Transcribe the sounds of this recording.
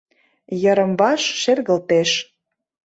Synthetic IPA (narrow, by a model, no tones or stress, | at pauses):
jə̆ɾə̆mβɑʃʃerɣə̆lt̪eʃ